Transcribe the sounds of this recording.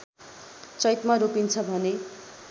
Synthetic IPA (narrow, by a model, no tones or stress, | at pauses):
t͡sʌjt̪maɾopint͡sʰʌbʱʌne